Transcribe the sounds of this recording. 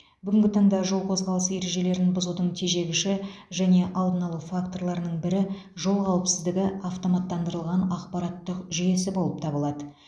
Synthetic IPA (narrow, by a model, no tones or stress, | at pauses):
bʏɡʲɪŋɡʲɪt̪ʰɑɴd̪ɑʒo̞lˠqʰo̞zʁɑlˠəse̞ɾe̞ʒe̞le̞ɾɪnbʊzud̪əɴt̪ʰeʒe̞ɡʲɪʃɪ | ʒæne̞ʔɑlˠd̪ənɑlˠəfakt̪o̞rlˠɑɾnəɴbɪɾɪʒo̞lˠqɑwəpsɪzd̪ɪɡʲɪʔɑft̪omɑt̪ːɑnd̪əɾəlˠʁɑnɑqpɑɾɑt̪ːəqʒʏje̞sɪbo̞lˠəpt̪ʰɑbəlˠɑd̪ə